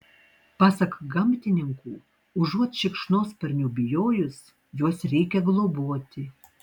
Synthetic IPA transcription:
pɑːsɐkɡɐmʲt̪ʲɪnʲɪŋkuː | ʊʒuɔt̪ʃʲɪkʃnoːspɐɾʲnʲuːbʲɪjoːjʊs | juɔsɾʲɛɪkʲɛɡlˠoboɔt̪ʲɪ

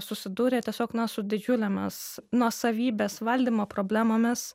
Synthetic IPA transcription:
sʊsʲɪd̪uːɾʲeːt̪ʲiɛsʲoːknɐsʊd̪ʲɪd͡ʒʲʊlʲɛmʲɪ̰snuɔsɐʋʲiːbʲeːsʋɐlʲd̪ʲiːmoːpɾoːbʲlʲæːmoːmʲɪs

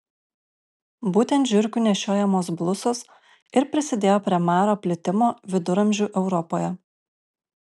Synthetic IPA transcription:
buːt̪ʲɛnt̪ʒʲʊɾʲkʲuːnʲɛʃʲoːjɛmoːsblˠʊsoːs | ɪɾpʲɾʲɪsʲɪd̪ʲeːjoːpʲɾʲiɛmɑːɾoːpʲlʲɪt̪ʲɪmoːʋʲɪd̪ʊɾɐmʲʒʲuːʔɛʊɾɔpoːjɛ

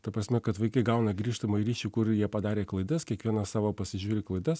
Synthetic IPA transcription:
t̪ɐpɾɐsʲmʲɛkɐt̪ʋɐɪkɐɪɡɐʊnɐɡɾʲiːʃt̪ɐmoɐiɾʲiːʃʲuːkʊɾjiɛpɐd̪ɑːɾʲeːklˠɐɪd̪ɐskʲiɛkʋʲiɛnɐsɑːʋoːpɐsʲɪʒʲuːɾʲɪklˠɐɪd̪ɐs

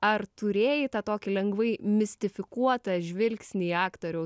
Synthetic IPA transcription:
ɐrt̪ʊɾʲeːjɪt̪ɑt̪oːkʲɪlʲɛŋɡʋɐɪmʲɪsʲt̪ʲɪfʲɪkuɔt̪ɐʒʲʋʲɪlʲksʲnʲiɑːkt̪oːɾʲɛʊ

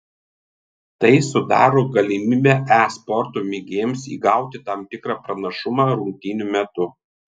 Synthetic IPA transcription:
t̪ɐɪsʊd̪ɑ̰ːɾoːɡɐlʲɪmʲɪmʲɛʔæspɔɾt̪uːmʲɪɡʲeːmsḭːɡɑʊt̪ʲɪt̪ɐmt̪ʲɪkɾɑːpɾɐnɐʃʊmɑːɾʊŋʲkʲt̪ʲɪnʲumʲɛt̪ʊ

